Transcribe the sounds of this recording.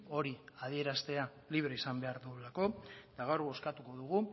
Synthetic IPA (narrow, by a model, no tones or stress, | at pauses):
o̞ɾiaðie̞ɾast̪e̞a | liβ̞ɾe̞isambe̞aɾðuelako̞t̪aɣawɾɣo̞skat̪uko̞ðuɣ̞u